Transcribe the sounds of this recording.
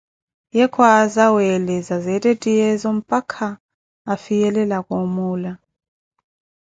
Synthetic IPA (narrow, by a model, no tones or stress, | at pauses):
jɛkʰwazawɛlɛzazɛtʼetʼijɛzɔm̩pʼakʰaː | fijɛlɛlakʼomuːla